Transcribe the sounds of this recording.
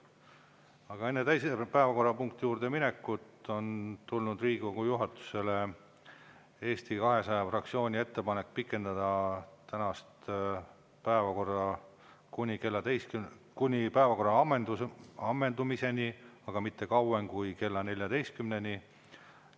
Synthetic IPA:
ɑɡ̥ɑe̞nːet̪æjsepæevɑko̞rːɑpuŋk̚t̪ijuːrd̪̥e̞mine̞kːˑut̪ːo̞nt̪ulnud̪̥riːɡ̥ukujuɦɑt̪ːˑu̥se̞le | e̞ːst̪ikɑɦe̞sɑjɑfrɑk̚t̪sio̞ːnʲie̞t̪ːe̞pɑne̞kːˑpikːˑe̞nd̪̥ɑd̪̥ɑt̪ænɑst̪ | pæevɑkorːɑ | kunʲikelːɑd̪ejskkunʲipæevɑko̞rːɑɑmːend̪uɑmːe̞nd̪umise̞niɑɡ̥ɑmit̪ːe̞kɑwemkujke̞lːɑne̞lʲjɑd̪e̞jst̪̚kymne̞nʲi

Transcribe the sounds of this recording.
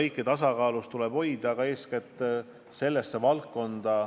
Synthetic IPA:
ɤjkːˑet̪ɑsɑkɑːlust̪ule̞b̥ho̞jd̪̥ɑɡ̥ɑe̞ːsket̪ːˑ | se̞lːesːe̞vɑlkːo̞nd̪̥ɑ

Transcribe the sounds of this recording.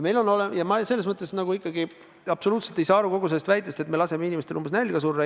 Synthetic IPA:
me̞jlo̞no̞lejɑmɑselːesmɤt̪ːˑesnɑɡuikːˑɑɡi | ɑb̥so̞luːt̪se̞lt̪ejsɑːɑɾuko̞ɡuse̞lːest̪væjt̪ːˑest̪e̞t̪me̞lɑse̞meinimest̪e̞lumbes̬nælʲɡ̥ɑs̬urːɑ

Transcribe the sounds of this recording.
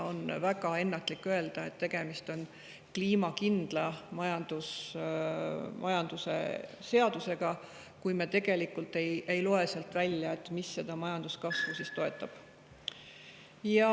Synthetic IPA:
o̞nvæɡɑe̞nːɑt̪ːˑlikːˑøe̞ld̪̥ɑe̞t̪ːe̞ɡ̥e̞mist̪o̞n | kliːmɑkind̪̥lɑmɑjɑnd̪̥us | mʔɑjɑnd̪use̞̰se̞ɑd̪̥use̞ɡ̥ɑ | kujmet̪e̞ɡ̥e̞likːˑult̪ːˑe̞jʔe̞jloe̞selt̪ːˑvælʲjɑe̞t̪ːˑmisːe̞d̪̥ɑmɑjɑnd̪̥uskɑsvusist̪o̞e̞t̪ːˑɑb̥ | jɑ

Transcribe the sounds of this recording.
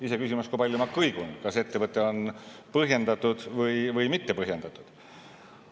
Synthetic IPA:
ise̞kysimɑskujpɑljumɑkːɤjɡ̥unkɑse̞t̪ːe̞vɤt̪ːˑe̞o̞npɤɦje̞nd̪ɑt̪ːˑud̪̥vɤjvɤjmit̪ːe̞pɤɦjend̪̥ɑt̪ːˑud̪̥

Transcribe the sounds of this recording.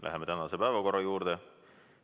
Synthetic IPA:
lʔæ̰ɦeme̞t̪ænɑse̞pæevɑko̞ɾːɑjuːɾd̪̥e

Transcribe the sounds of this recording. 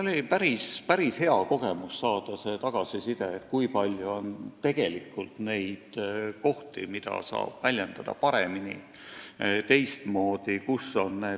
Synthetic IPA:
olʲipæɾispæɾishe̞ɑko̞ɡ̥e̞musːɑːd̪̥ɑse̞t̪ɑɡ̥ɑsisid̪e̞et̪ːˑkujpɑlʲjuo̞nt̪e̞ɡ̥e̞likːˑult̪ne̞jd̪̥ko̞ht̪imid̪̥ɑ̰sɑ̰ːb̥vælʲjend̪̥ɑd̪ɑ̰pɑɾemini | t̪e̞jst̪mo̞ːd̪̥ikusːo̞nneː

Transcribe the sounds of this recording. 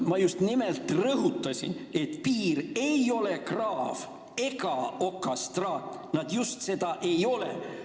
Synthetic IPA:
mɑjust̪nimelt̪ˑrɤɦut̪ːˑɑsʲḭne̞t̪ˑpiːɾe̞jo̞le̞krɑːv | e̞ɡɑo̞kːˑɑst̪rɑːt̪ːˑnɑd̪̥just̪se̞d̪̥ɑʔe̞jo̞lḛ

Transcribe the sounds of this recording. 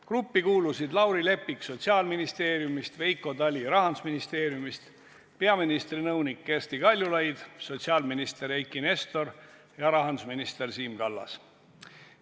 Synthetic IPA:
krupːikuːlusid̪lɑwɾile̞pːikso̞t̪siɑːlminist̪e̞ːɾjumist̪ve̞jkːˑo̞d̪ɑlʲiɾɑɦɑnd̪u̥sminist̪e̞ːɾjumist̪ | pe̞ɑminist̪rinɤwnikːe̞rst̪ikɑlʲjulɑjd̪̥so̞t̪ʲsiɑːlminist̪e̞ɾejkːˑine̞st̪o̞r | jɑɾɑɦɑnd̪usminist̪e̞rsiːmɡ̥ɑlːɑ̰s

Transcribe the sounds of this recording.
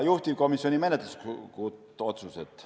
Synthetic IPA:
juht̪ivko̞misio̞nime̞net̪luskkut̪ːo̞t̪suset̪ːˑ

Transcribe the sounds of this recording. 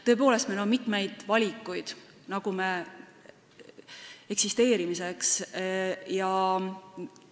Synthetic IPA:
t̪ɤ̞e̞p̬o̞ːle̞st̪melonmit̪me̞jd̪̥vɑlʲikːˑujd̪̥ | nɑɡ̥ume | e̞ksist̪e̞ːɾimise̞ks | jɑ

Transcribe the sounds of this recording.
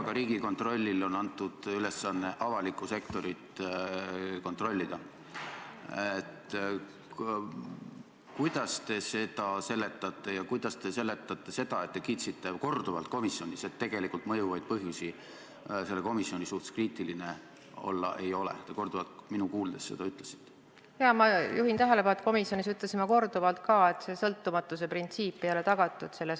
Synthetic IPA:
ɑɡ̥ɑɾiːɡ̥iko̞nt̪ˑro̞lʲːilo̞nɑnt̪ːˑud̪̥yle̞sːɑnːe̞ʔɑvɑlikːˑuse̞kt̪o̞ɾit̪ | ko̞nt̪ˑro̞lʲːid̪̥ɑ | et̪ˑ | kujd̪ɑst̪e̞se̞d̪̥ɑse̞lːe̞t̪ːˑɑt̪ˑːe̞jɑkujd̪̥ɑst̪e̞se̞lːe̞t̪ːˑɑt̪ːe̞se̞d̪̥ɑe̞t̪ːe̞kiːt̪sit̪ːe̞ko̞rd̪̥uvɑlt̪̚ko̞misjo̞nʲise̞t̪ːe̞ɡ̥e̞likult̪ˑmɤjuvɑjd̪̥̚pɤɦjusi | se̞lːe̞ko̞misːio̞nʲisuht̪e̥kriːt̪ˑiline | o̞̰lːɑ̰ʔe̞jo̞lḛt̪eko̞rd̪uvɑlt̪minukuːld̪̥e̞sse̞d̪ɑyt̪lesi̥t̪ːe̥ | jɑmɑjuɦint̪æɦelepɑlet̪ko̞misjo̞nisyt̪lesimɑko̞rd̪uvɑlt̪̚kɑːe̞t̪se̞sɤlt̪ːumɑt̪ːˑuse̞print̪siːpːˑejolet̪ɑɡ̥ɑt̪ːˑud̪̥se̞lːes

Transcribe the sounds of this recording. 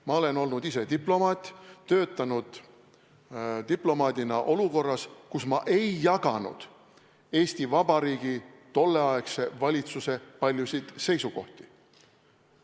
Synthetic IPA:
mɑo̞le̞no̞lnud̪̥ise̞d̪iplo̞mɑːt̪ʲːt̪ːø̞ːt̪ːˑɑnud̪̥ | t̪iplo̞mɑːd̪̥ʲinɑʔo̞luko̞rːɑskusmɑʔe̞jːɑɡɑnṵd̪̥ | e̞ːsʲt̪ivɑb̥ɑɾiːɡ̥it̪o̞lːe̞ɑekse̞vɑlʲit̪suse̞pɑlʲjusid̪̥se̞jsuko̞̰ht̪i̥

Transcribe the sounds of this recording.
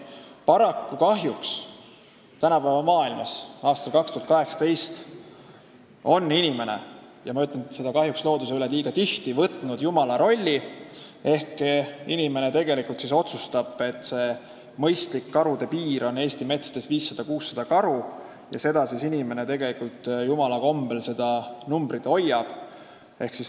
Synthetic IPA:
pɑɾɑkːukɑɦjuks | t̪ænɑpæevɑmɑːilmɑsɑːst̪ɑlkɑkst̪uhɑt̪kɑɦe̞ksɑ̥t̪e̞jst̪ | o̞nːinime̞ne̞̰ | jɑmɑyt̪ːˑlense̞d̪ɑkɑɦjukslo̞ːd̪us̬eyleliːɡɑt̪iht̪ivɤt̪ˑnud̪̥jumɑlɑɾo̞lʲːi | e̞hkinime̞ne̞t̪e̞ɡ̥e̞likult̪siso̞t̪sust̪ɑb̥e̞t̪ːˑse̞ | mɤ̞jst̪likːɑɾud̪̥e̞piːɾo̞nːe̞ːst̪ime̞t̪se̥t̪e̞st̪viːsːɑd̪̥ɑkuːsːɑd̪̥ɑkɑɾu | jɑ̰se̞d̪̥ɑsisinime̞ne̞t̪e̞ɡ̥e̞likult̪ˑjumɑlɑko̞mb̥e̞lse̞d̪̥ɑnumb̥ɾit̪o̞jːɑb̥ | e̞hksis

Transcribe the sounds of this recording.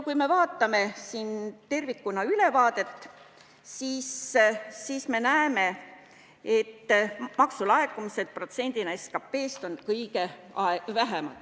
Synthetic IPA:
kujme̞vɑːt̪ːˑɑme̞siːnt̪e̞rvikːunɑylevɑːd̪̥e̞t̪ː | siːsː | iːsme̞næeme̞ | e̞t̪ːmɑksulɑekːˑumise̞d̪̥̚pro̞t̪se̞nʲd̪̥inɑeskɑpːe̞ːst̪o̞nkɤjɡe̞ | ɑevæɦemɑ̰t̪

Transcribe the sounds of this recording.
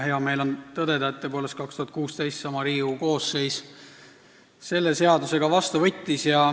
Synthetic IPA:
he̞ɑme̞ːlo̞nt̪ɤd̪e̞d̪ɑt̪ːˑepo̞lest̪kɑkst̪uhɑt̪̚kuːst̪e̞jst̪sɑmɑɾiːuko̞ːsːe̞js | se̞lːe̞se̞ɑd̪use̞ɡ̥ɑvɑst̪uvɤt̪ʲːisjɑ

